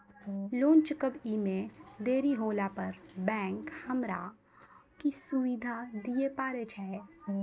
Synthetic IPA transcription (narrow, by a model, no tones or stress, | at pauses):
lõːnt͡ʃkəbimẽd̪eːɾiɦoːlapəɾbɛ̃ːŋkhɐmɾa̰ | kisʊʋɪd̪ʱad̪ijepaːɾet͡ʃʰɛː